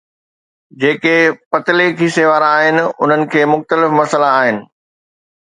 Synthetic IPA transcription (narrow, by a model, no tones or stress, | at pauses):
d͡ʑeːkepɐt̪ɪlekʰiːseʋaːɾaːɦɪnɪ̆ʊ̰n̤ənɪ̆kʰeːmʊxt̪əlɪfmɐsəlaːɦɪnɪ̆